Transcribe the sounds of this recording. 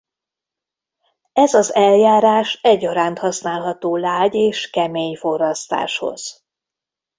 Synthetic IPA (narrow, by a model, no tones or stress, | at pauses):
ɛzɒzɛljaːɾaːʃɛɟːɒɾaːnt̪hɒsnaːlɦɒt̪oːlaːɟeːʃkɛmeːɲfo̞rɒst̪a̰ːʃho̞̰z̥